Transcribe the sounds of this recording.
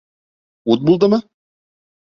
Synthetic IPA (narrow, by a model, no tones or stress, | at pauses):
ut̪̚bulˠd̪ɤmɤ